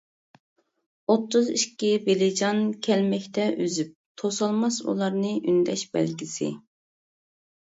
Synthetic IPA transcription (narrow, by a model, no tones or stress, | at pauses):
ot̪ʰːʊziʃkʲibelɪd͡ʒɑnkʲʰɛlmɛkʲt̪ʰɛʔyzyp̚t̪ʰosɑlˠmɑsṵlˠɑɾnɨʔynd̪ɛʃbɛ̰lɡʲisɪ̰